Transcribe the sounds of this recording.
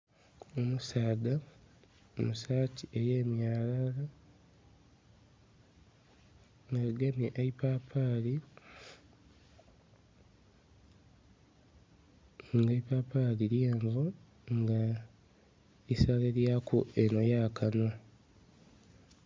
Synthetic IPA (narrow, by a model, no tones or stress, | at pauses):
omusaːɡa | omusaːtʰieje̞ːmjaːlala | ŋɡaɡemjeʔaipaːpʰaːli | ŋɡeipaːpaliljeːɱvu | ŋɡa | isaleljakʰueno̞jaːkano̞